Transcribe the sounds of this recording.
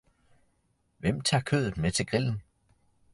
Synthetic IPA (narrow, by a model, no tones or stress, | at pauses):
ʋem̰t͡sʰɑ̈ːkʰø̰ðˠð̩ˠmet͡sʰe̝ɡ̥ʁiln̩